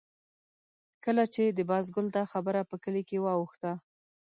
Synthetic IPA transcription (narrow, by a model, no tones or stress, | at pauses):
kəlat͡ʃed̪əbɑzɡʊlt̪axabəɾapəkəlikewɑwʊxt̪a